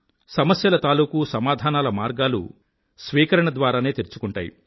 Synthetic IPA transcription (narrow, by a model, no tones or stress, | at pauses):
sɐmɐsjɐlɐt̪aːluːkusɐmaːd̪ʱaːnaːlɐmaːɾɡaːlṵ | sʋiːkɐɾɐɳɐd̪ʋaːɾaːne̞ːt̪iɾt͡ʃukuɳʈaːjḭ